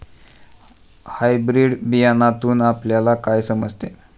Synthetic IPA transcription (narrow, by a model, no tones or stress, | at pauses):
hajbɾiɽbijanat̪uːnapljalakajsəməd͡zʱt̪e